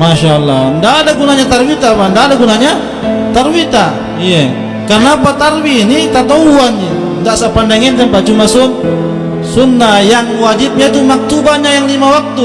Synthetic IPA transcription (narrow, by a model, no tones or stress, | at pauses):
maʃalːahəndaʔːdaɡunaɲat̪arwit̪apaəndaːdaɡunaɲa | t̪arwit̪a | ija | kərnapat̪arwiːnit̪at̪auanɲi | ndaʔsapandaŋɛnt̪ampat͡ʃumasun | sunːajaŋwad͡ʒip̚ɲat̪umak̚t̪ubaɲaʔjaŋlimawak̚t̪u